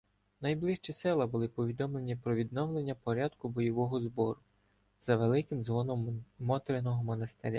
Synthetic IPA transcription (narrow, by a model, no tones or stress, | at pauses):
nɐjblˠɪʃt͡ʃisɪlˠɐbʊlˠɪpɔʋʲid̪ɔmlˠe̞nʲipɾɔʋʲid̪nɔwlˠe̞nʲːɐpɔɾʲad̪kʊbɔjɔʋɔɦɔzbɔɾʊ | z̥ɐʋelˠɪkɪmzʋɔnɔmmɔt̪ɾɪnɔɦɔmɔnɐst̪eɾʲa̰